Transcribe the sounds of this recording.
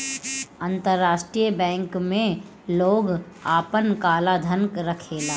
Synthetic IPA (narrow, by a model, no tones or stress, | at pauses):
ant̪əɾːaːʃʈɾijəbɛ̃ːŋkmẽ | loːɡ | aːpənkaːlad̪ʱənkɾəkʰeːlaː